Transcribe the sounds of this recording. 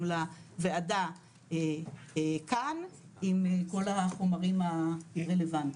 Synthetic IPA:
laveada | e | kanimko̞laχomaʁimaʁelevant

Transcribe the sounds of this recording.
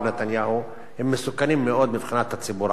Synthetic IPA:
bnat̪anjaːhu | hɪmːɪsʊkːaniːmːɪʔoːd̪mɪbxɪnat̪ːasːɪbuːɾ

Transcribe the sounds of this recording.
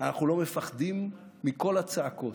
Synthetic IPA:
anaχnulo̞me̞faχdimː | iko̞lat͡saːko̞

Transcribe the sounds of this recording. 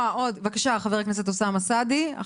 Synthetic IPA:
aʔod̪vakaʃaχaveʁaknes̬et̪osamasad̪ia̰

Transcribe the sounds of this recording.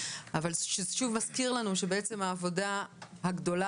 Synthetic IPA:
avalʃeʃuvmaskiʁlanuʃe̞beet͡se̞maːvo̞dahaɡdo̞la

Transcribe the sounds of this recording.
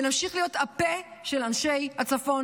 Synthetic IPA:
namʃiχlijo̞tapeʃelanʃejhat͡safo̞n

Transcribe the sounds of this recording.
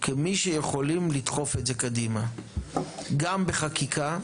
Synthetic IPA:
kemiʃejeχo̞limlit̪χo̞fetze̞kadima | ɡambeχakikʰa

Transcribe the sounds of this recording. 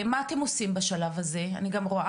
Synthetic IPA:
maːte̞mo̞simbaʃalavaze̞a̰niɡamʁoʔa

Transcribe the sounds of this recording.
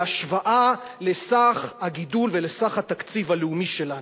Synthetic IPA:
aʃvaʔalesaχhaɡidulvelesaχhat̪akt͡sivaleumiʃe̞lan

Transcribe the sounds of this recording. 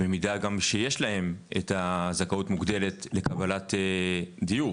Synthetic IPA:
bemidaɡamʃejeʃlahe̞metazakautmuɡd̪e̞le̞tle̞kabalated̪iju

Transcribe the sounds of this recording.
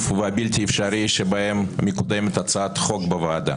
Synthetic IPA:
fveabilt̪ʲiefʃaɾiʃebɐhemːekud̪emet̪at͡saat̪χo̞kbɐvaad̪a̰

